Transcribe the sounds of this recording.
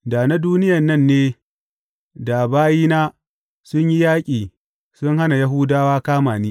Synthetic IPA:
da˨na˦duː˦nɪ˦jɐ˨nːɐ˦˨nːeː˦ | da˨baː˦jiː˦naː˦ | sʊ˦ɲji˦jaː˦kʲʼiː˨ | sʊ˦ŋha˦na˨ja˦ɦʊː˦daː˦waː˦kaː˦maː˨niː˦

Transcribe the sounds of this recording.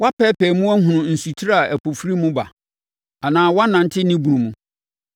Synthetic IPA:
wa˦pʰɛː˦pʰɛ˨mũ˦æ˦ɦʊ̃˨nʊ̃˨n̩˨su˨tʰi˦ɾa˦˨ʔæ˨pʰo˨fɾi˦mũ˦ba̰˨ | a˨nãː˨wa˦nã˨n˦tʰɪ˦nĩ˦bu˨nũ˨mũ˨

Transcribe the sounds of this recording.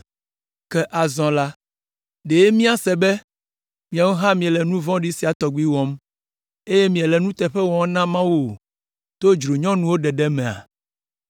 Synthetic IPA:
kɛ˦ʔa˨zɔ̃˨la˦ | ɖe˨je˦mĩ˦a˨sɛ˨bɛ˦ | mĩ˨a˨wo˦ɦã˦mĩ˨ɛ˨lɛ˨nũ˦vɔ̃˦ɖi˦si˨a˨t̪ɔ˨ɡu˦i˦wɔ̃˦m | e˦je˦mĩ˨ɛ˨lɛ˨nũ˦t̪ɛ˨ɸɛ˦wɔ̃˨˦nã˦mã˦wu˦o˨ | t̪o˦d͡ʒɾo˨ɲɔ̃˦nũ˦wo˦ɖɛ˨ɖɛ˦mɛ̃˨a̰˨

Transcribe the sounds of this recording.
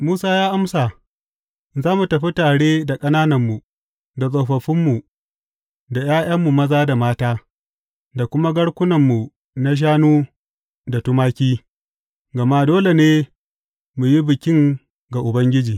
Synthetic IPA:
muː˦saː˦jaː˦ʔa˦msa˨ | zaː˦mu˨tɐ˨ɸi˦taː˨ɽeː˦da˨kʼɐ˦naː˦nɐ˨mːu˨ | da˨sʼo˨ɸɐ˨ɸɪ˦mːu˨ | da˨jaː˦j̰ɐ˦mːu˨mɐ˦zaː˦da˨maː˦taː˦ | da˨kʷʊ˦ma˦ɡɐ˦ɽkʷʊ˦nɐ˨mːu˨ | na˦ʃ̬aː˦nuː˦ | da˨tʊ˦maː˦kʲiː˦ | ɡɐ˨ma˦doː˦le˨neː˦ | mu˨ji˦bɪ˨kʲɪ˦ŋ | ɡa˨ʔʊ˨bɐ˦ŋɡʲɪ˦d͡ʒiː˨

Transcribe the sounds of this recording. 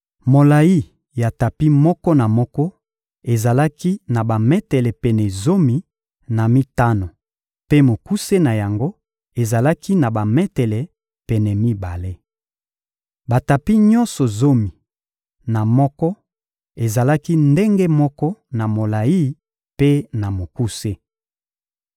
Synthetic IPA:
mo˨la˨ji˦ | ja˨ta˨pi˦mɔ˦kɔ˦na˨mɔ˦kɔ˦ | e˨za˨la˦ki˦na˨ba˨mɛ˦tɛ˨lɛ˨pɛ˨nɛ˨zo˦mi˨ | na˨mi˦ta˦no˨ | pe˦mo˨ku˦se˦na˨ja˨ŋɡo˦ | e˨za˨la˦kʰi˦na˨ba˨mɛ˦tɛ˨lɛ˨ | pɛ˨nɛ˨mi˦ba˨le˦ | ba˨ta˨pi˦ɲɔ˦nsɔ˨zo˦mi˨ | na˨mɔ˦kɔ˦ | e˨za˨la˦ki˦nde˦ŋɡe˦mɔ˦kɔ˦na˨mo˨la˨ji˦ | pe˦na˨mo˨ku˦se˦

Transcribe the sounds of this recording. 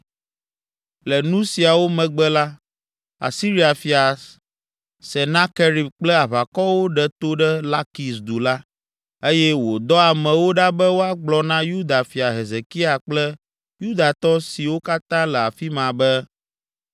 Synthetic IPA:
lɛ˨nũ˦si˨a˨wo˦mɛ̃˨ɡ͡bɛ˦la˦ | a̰˨si˦ɾi˦a˨fi˨a˨ | sɛ˨nã˦ke˦ɾi˨bk͡plɛ˦a˨βa˨kɔ˦wo˦ɖɛ˦˨t̪o˦ɖɛ˦la˦ki˨sd̪u˨la˦ | e˦jɛ˦wo˨d̪ɔ˦a˨mɛ̃˨wo˦ɖa˦bɛ˦wo˦a˨ɡ͡blɔ˨nã˦ju˦d̪a˨fi˨a˨ɦe˨ze˨ki˦a˨k͡plɛ˦ | ju˦d̪a˨t̪ɔ˦si˨wo˦ka˦t̪ã˦lɛ˨a˨fi˦mã˨bɛ˦

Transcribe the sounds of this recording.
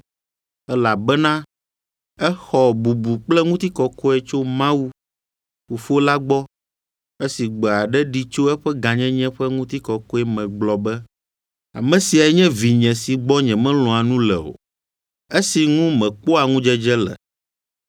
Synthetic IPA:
ɛ˦la˨bɛ˦nã˦ | ɛ˦xɔ˨bu˨bu˨k͡plɛ˦ŋũ˦t̪i˦kɔ˦kɔ˦ɛ˦t͡ʃo˦mã˦wu˦ | ɸu˨fo˦la˦ɡ͡bɔ˦ | e˦si˨ɡ͡bɛ˨a˨ɖɛ˦ɖi˦t͡ʃo˦ɛ˦ɸɛ˦ɡã˨ɲɛ̃˦ɲɛ̃˦ɸɛ˦ŋũ˦t̪i˦kɔ˨kɔ˦ɛ˦mɛ̃˨ɡ͡blɔ˨bɛ˦ | a̰˨mɛ̃˨si˨a˨ɛ˦ɲɛ̃˦vi˨ɲɛ̃˨si˨ɡ͡bɔ˦ɲɛ̃˨mɛ̃˦l̃ɔ̃˨a˨nũ˦lɛ̰˨o̰˨ | e˦si˨ŋũ˦mɛ̃˨k͡po˦a˨ŋũ˦d͡ʒɛ˦d͡ʒɛ˦lɛ̰˨

